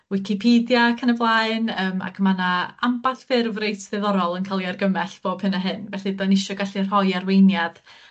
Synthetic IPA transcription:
wɪkʰɪpʰiːdjakʰanəvlˠaɨnəːma̰kʰmanaambaθfɪrvrejtʰðɛðɔɾɔlˠənkʰalˠiarɡəmɛɬb̥oːb̥hɨnaɦɨnvɛɬɨdɔnɪʃɔɡaɬir̥hɔjarwejnjað̥

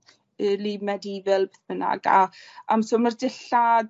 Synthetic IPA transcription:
ɪlimɛdivɛlˠbeθb̥əna̰ɡa̰amsomərdɪɬa

